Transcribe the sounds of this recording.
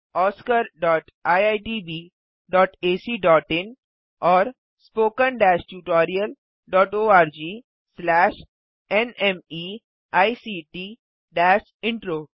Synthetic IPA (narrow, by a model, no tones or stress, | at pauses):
ɔːskəɾɖɔːʈ | aːjaɪʈiːbiː | ɖɔːʈeːsiːɖɔːʈɪ̃n | ɔːɾ | spoːkənɖɛːʃʈuːʈɔːɾiəl | ɖɔːʈoːaːɾd͡ʒiː | slɛːʃ | ɛnɛmi | aːisiːʈiː | ɖɛːʃ | ɪ̃ɳʈɾoː